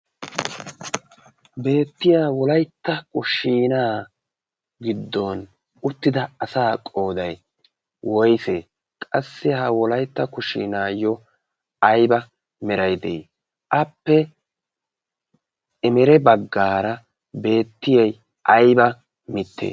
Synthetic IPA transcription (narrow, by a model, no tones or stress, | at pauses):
be̞ːt̪ːɪjaːwɔlɐjt̪ːɐkʊʃiːnaː | ɡɪd̪ːɔn | ʊt̪ːɪd̪ɐɐsaːkʼo̞ːd̪ɐj | wɔjseː | kʼɐsːɪhɐwɔlɐjt̪ːɐkʊʃḭːnaːjːɔ | ɐjbɐ | mɛɾɐjd̪ɛ̰ | ʔɐpːɛ | ɪmɛɾɛbɐɡːaːɾɐ | be̞ːt̪ːɪjɛj | ʔɐjbɐ | mɪt̪ʰːḛː